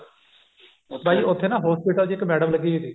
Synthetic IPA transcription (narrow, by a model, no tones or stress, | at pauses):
bʱaːiːʔʊt̪ʰːeːnãːɦoːspiːʈəld͡ʒiːkmɛːɖəmləɡiːit̪iː